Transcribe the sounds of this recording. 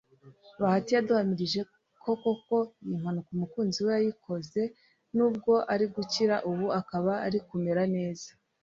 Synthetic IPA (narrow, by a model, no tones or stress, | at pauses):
βahatijaduhamiɾiʒe̞ | kʰo̞ko̞ko̞jim̥hanukumukuːnziwe̞jajikʰo̞ze̞ | nuːb̚ɡo̞ʔaɾiɡuciɾaʔuβuakaβaːɾikume̞ɾane̞ːzḁ